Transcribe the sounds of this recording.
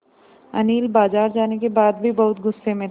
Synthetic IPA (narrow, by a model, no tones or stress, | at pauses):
ɐ̰niːlbaːzaːɾd͡ʒaːnekebaːd̪̚bʱibɐɦʊt̪ɡʊsːemẽ